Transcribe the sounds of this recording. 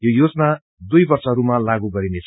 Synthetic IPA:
jojod͡zna | d̪ujbʌrsʌɾumalaɡuɡʌɾinet͡sʰ

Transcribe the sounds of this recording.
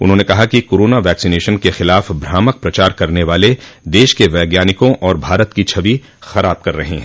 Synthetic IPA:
ʊ̰nɦõːnekɐɦakikoːɾoːnaʋɛːksineːʃənkexɪlaːfbʱɾaːmək̚pɾɐt͡ʃaːɾkɐɾneʋaːled̪eːʃkeʋɛːɡjaːnɪkõʔɔːɾbʱaːɾət̪kit͡ʃʰɐʋi | xɐɾaːb̚kɐɾːɐɦẽɦɛ̃ː

